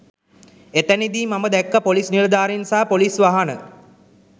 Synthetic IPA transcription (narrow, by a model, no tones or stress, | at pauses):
et̪ænid̪iːmaməd̪ækːəpolisnild̪aːɾinsaːpolisʋaɦanə